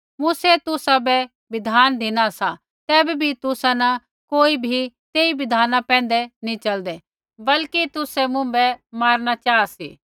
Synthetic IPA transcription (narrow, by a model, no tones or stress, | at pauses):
muːset̪ʊsabɛ | bɪd̪ʱaːnd̪ʱɪnasa | t̪ɛːbibʱit̪ʊsãnɐ | koːibʱit̪eːibɪd̪ʱaːnãpɛ̃ːn̆d̪ɛnĩt͡ʃɐld̪ɛ | bɐlkit̪ʊsɛmʊ̃bɛmaːɾnat͡ʃaːasḭː